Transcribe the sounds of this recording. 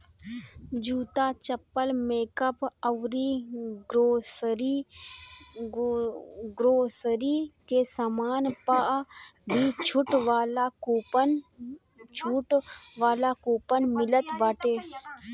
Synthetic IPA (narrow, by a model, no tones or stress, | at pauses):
d͡ʒuːt̪aːt͡ʃəpːəlmeːkəpəwɾiɾoːsɾi | ɡɾoːsɾikesamaːnpaʔbʱit͡ʃʰʊʈʋaːla | t͡ʃʰuʈʋaːlakuːpənmɪlət̪baːʈeː